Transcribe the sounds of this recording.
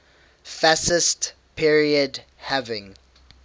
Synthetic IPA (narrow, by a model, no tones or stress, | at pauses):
fasɪst | pʰiɹiəd | hævɪ̃ŋ